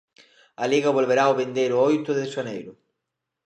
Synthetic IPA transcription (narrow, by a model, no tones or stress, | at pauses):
aliɣaβolβeɾaoβend̪ejɾoɔjt̪ʊðesanejɾʊ